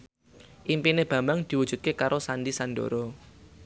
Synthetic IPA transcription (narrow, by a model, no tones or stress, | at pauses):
ʔimpineb̥ä̤mbaŋd̪̥i̤wu̥d͡ʒ̥ṳt̪̚kekaɾosanɖisanɖo̰ɾɔ